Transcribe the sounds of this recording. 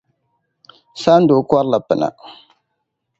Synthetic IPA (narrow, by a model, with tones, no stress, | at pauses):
sa˦n̩˦do˨˦ka˦ɾla˨pɨ˨na̰˨